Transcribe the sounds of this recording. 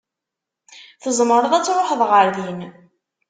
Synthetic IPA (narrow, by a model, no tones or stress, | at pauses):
θəzˤməɾˤəðˤæt͡sːɾˤoħəðˤʁəɾðin